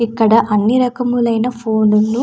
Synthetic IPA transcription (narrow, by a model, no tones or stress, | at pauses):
ikːɐɽɐʔɐnːiɾɐkɐmulɐjnɐpʰoːnunːu